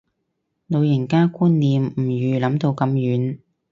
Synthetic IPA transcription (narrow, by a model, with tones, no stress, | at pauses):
no˨˧wjɪ˨˩nkaː˥kuː˥nːiː˨m̩˨˩jyː˨˧lɐ˨˥mt̪o˧wkɐ˨˧mjyː˨˥n